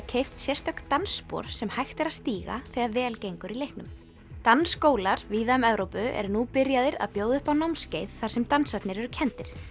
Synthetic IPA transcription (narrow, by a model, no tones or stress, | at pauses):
cʰejft̪sjɛst̪œhkt̪anspɔ̰ɾ̥sɛmhajxt̪ɛɾaðst̪iːɣa̰θɛɣaðvɛːlcejŋkʏɾilejhknʏm | t̪anskoːwlaɾviːðaʏmɛvɾowpʏʔɛ̰ɾnupɪɾjaðɪɾa̰ðpjoːwðʏhpawnawmscejðθaɾsɛmt̪ansat̪nɪɾɛɾʏ̥cʰɛnt̪ɪɾ̥